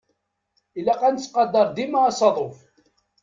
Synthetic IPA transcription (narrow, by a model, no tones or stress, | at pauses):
ilæqænt͡sːqɑd̪ːɑɾˤd̪imaɑsˤɑðˤof